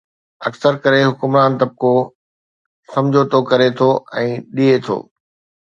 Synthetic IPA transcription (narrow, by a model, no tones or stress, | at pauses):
ɐksəɾkɐɾeɦʊkʊmɾaːnt̪ɐb̚ko | sɐ̃md͡ʑʱot̪ʰokɐɾet̪ʰoɛ̃ːɗiet̪ʰo̰ː